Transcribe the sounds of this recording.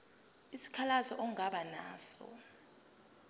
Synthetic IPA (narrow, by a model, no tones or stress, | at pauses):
isi̥kʰalazɔʔɔŋaɓana̰ːsɔ̰